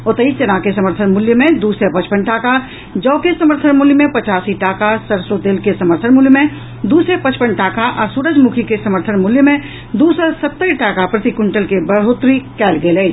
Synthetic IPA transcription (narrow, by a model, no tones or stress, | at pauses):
ot̪əist͡ʃənakesəməɾt̪ʰənmʊljəmẽd̪uːsɾepət͡ʃpəɳʈaːka | d͡ʒɔːkesəməɾt̪ʰənmʊljmẽpət͡ʃaːsiʈaːkasəɾsot̪eːlkesəməɾt̪ʰənmʊljəmẽ | d̪uːsɾepət͡ʃpəɳʈaːkaʔɔːɾsuːɾəd͡ʒmukʰikesəməɾt̪ʰənmʊljəmẽ | d̪uːsəsət̪ːəɾʈaːkapɾət̪ikʊɳʈəlkebəɽ̤ot̪ɾikɛːlɡeːləː